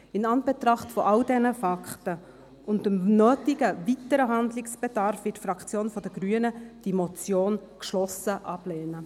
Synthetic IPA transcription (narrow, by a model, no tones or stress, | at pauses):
ɪnɑnb̥ɛt̪ɾɑχtfɔʔɑldɛnəfɑktə | ʊntəmnœːtɪɡəvitəɾəɦɑndlɪksb̥ɛd̥ɑɾfʋɪːtfɾɑkt͡sjoːnfɔd̥əɡɾyənəd̥imɔt͡sjoːnkʃlɔsəʔɑb̥lɛːnə